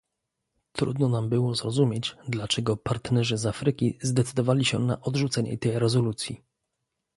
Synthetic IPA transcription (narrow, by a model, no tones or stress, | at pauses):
t̪ɾṵd̪nɔnambɘwɔzɾɔzumʲjed͡ʑd̪lat͡ʂɛɡɔpaɾt̪nɛʐɘzafɾɘkʲḭzd̪ɛt̪sɘd̪ɔvalʲiɕɛ̰na̰ʔɔd̪ʐut̪sɛɲɛ̰t̪ɛjɾɛzɔlut̪sʲjḭ